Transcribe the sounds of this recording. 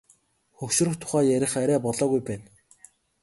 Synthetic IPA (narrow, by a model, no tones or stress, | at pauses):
xɵkʃɵ̆rɵ̆xt̪ʰʊ̥χæːjæɾʲɪ̆χæɾæːpɔɮɔːɣujpæːn